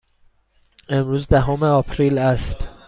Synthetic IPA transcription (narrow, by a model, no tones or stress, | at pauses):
e̞mɾuːzd̪æɦoːmeɒːpʰɾiːlæst̪